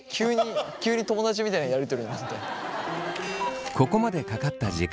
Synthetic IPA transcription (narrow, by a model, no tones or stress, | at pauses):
kʲʰɨːɲ̟ikʲɨːɲ̟it̪o̞mo̞d̪at͡ɕimʲit̪aĩnajaɾet̪eoɾimasɨ̥t̪ːe | ko̞ko̞mad̪e̞kakat̪ːaʑik